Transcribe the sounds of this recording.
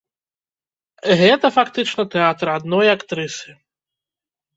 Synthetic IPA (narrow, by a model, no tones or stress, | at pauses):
ɣɛt̪ɐfakt̪ɨt͡ʂnɐt̪ɛat̪ɾad̪nɔjakt̪ɾɨsɨ